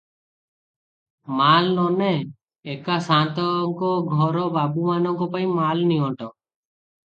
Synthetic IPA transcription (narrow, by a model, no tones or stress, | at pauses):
malnɔne | ekasãt̪ɔŋkɔɡʱɔɾɔbabumanɔŋkɔpaĩmalniɔʈɔ